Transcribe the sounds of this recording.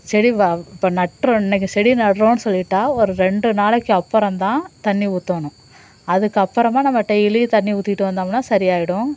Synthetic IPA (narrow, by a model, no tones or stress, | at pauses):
sɛɽiʋɐɪpːonɐʈɾɐ̃ɛnːɛk̬ːɯsɛɽinɐɽɾõːnːɯsɔlːɪʈːaːɔɾɯɾɛɳɖɯnaːɭɛkːɯɐpːɐɾɐ̃mt̪ãːt̪ɐɳːiuːt̪ːoːɳʊ̃ | ɐðɯkːɯɐpːɐɾɐmaːnɐmːɐʈːɐɪlit̪ɐnːiuːt̪ːɪʈːɯʋɐnd̪aːmnːaːsɐɾɪjaːjɪɽʊ̃